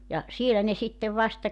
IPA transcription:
jɑ sielæ ne sitːeʋ ʋɑstɑ

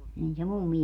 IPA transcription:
nin se mumːi

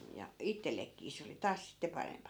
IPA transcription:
jɑ itːelːekːiː se oli tɑːs sitːe pɑrempɑ

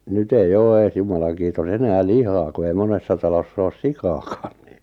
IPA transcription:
nyt eij oː eːs jumɑlɑŋ kiːtos enæː lihɑː ku ei monesːɑ tɑlosː oːs sikɑːkɑ̥ːn̥ n̆ĭn̆

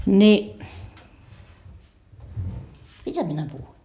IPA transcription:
ni mitæ minæ puhui

